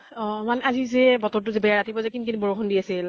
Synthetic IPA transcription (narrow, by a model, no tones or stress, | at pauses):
ɔ̃manɛazizɛbɔtɔɹtʊzɛbɛjaɹatʰibɔzɛkinkinbɔɹoxʰɔndiasil